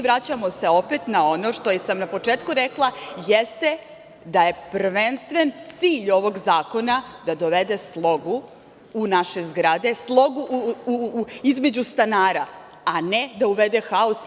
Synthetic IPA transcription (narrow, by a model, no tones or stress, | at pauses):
ʋɾat͡ɕamo̞se̞opet̪naono̞ʃt̪o̞jesamnapo̞t͡ʂeːt̪kuɾeklˠajest̪e | d̪aje̞prʋenst̪ʋent̪siːʎo̞ʋo̞ɡzaːko̞nad̪ad̪o̞ʋe̞d̪e̞slˠo̞ɡu | unaʃe̞zɡɾad̪e̞slˠo̞ɡuʔ | izme̞d͡ʑust̪anaːɾa | aned̪auʋed̪e̞xaos